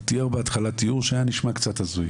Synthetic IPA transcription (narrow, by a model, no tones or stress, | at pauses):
t̪iaʁbeat̪χalat̪ijuʁʃeajaniʃmakt͡sat̪hazuj